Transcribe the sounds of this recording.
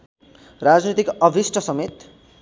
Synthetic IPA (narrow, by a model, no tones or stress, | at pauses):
rad͡znit̪ikʌbʱisʈʰʌsʌmet̪